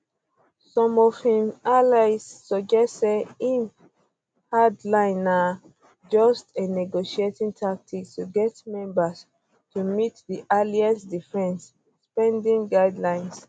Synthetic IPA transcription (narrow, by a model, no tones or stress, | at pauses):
sɔ̃mɔv̥hĩmalaɪsːɔd͡ʒɛtseĩn | hadlãɪ̃na | d͡ʒɔstenɛɡoʃietĩŋtʰak̚tʰiktuɡɛtmɛ̃mbas | tumitdiʔaliãnsdifɛ̃ns | spɛ̃ndĩŋɡaɪdlãɪ̃ns